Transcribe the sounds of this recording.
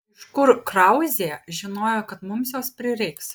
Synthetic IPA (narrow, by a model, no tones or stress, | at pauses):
ʃkʊɾkɾɐʊzʲeːʒʲɪnoːjoːkɐt̪mʊmsjoːspʲɾʲɪɾʲɛɪks